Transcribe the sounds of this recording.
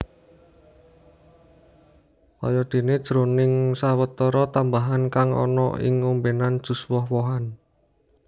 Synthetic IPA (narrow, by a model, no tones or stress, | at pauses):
wɔ̰jɔd̪̥e̤ned̥ʒ̥ɾonɪŋsawət̪ɔɾɔt̪ambaɦankaŋʔɔ̰nɔ̰ʔɪ̰ŋumbenand̥ʒ̥ṳswɔhwɔɦan